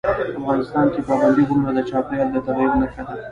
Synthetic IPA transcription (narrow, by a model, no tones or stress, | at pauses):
afɣɑnɪst̪ɑnkepəaband̪id̪ʊmɾad̪ət͡ʃɑpjɑld̪ət̪abiɾnakat̪al